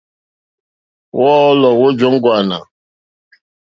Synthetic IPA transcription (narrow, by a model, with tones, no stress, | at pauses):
wʔɔ˦lɔ˨wo˦d͡ʒo˦ŋ̩˦ɡʊ˨a˨na̰˨